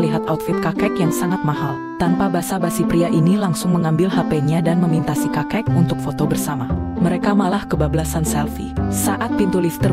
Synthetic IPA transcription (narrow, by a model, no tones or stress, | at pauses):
liɦat̪aut̪̚fit̪̚kakɛkjaŋsaŋat̪̚maɦal | t̪anpabasabasipɾiaʔinilaŋsʊŋməŋambɪlɦapɛɲadanməmint̪asikakɛk̚unt̪ʊk̚fot̪obərsamaməɾekamalahkəbablasansɛlfisaʔat̪̚pint̪ulist̪ər